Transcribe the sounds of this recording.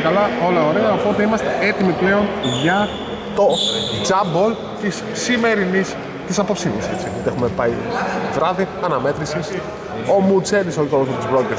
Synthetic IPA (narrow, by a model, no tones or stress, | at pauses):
kɐlɐo̞lɐoɾeɣɐopoot̪eimɐst̪e̞e̞t̪imiple̞o̞nʝɐ | t̪o̞d͡zɐbol | t̪isːime̞ɾinis | t̪isɐpo̞psinise̞t͡siot̪exume̞pɐivɾɐðiɐnɐme̞t̪ɾisis | o̞mut͡set̪isoolozmepot̪uzbɾoceɾ